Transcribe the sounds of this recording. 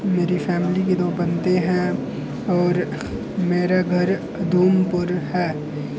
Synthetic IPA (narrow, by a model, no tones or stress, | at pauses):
meːɾifɛːmliked̪oːbɐnt̪eɦɛ̃ | ɔːɾ | meːɾaɡʱɐɾ | d̪ʱuːmpʊɾɦɛː